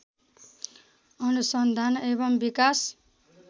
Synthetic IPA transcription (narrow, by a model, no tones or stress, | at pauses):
ʌnusʌnd̪ʱanebʌmbikas